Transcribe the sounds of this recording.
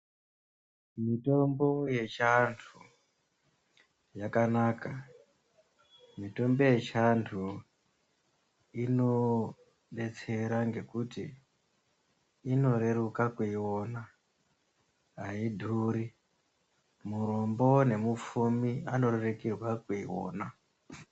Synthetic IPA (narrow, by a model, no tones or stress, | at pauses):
mito̞mbo̞je̞t͡ʃantʰu | jakanaka | mito̞mbo̞je̞t͡ʃantʰu | ino̞ | ɗe̞t͡se̞ɾaŋɡe̞kuti | no̞ɾe̞rukakuiwona | aidʱuːɾi | muɾombo̞ne̞mup͡fumiano̞ɾerekirwakuiwo̰ːna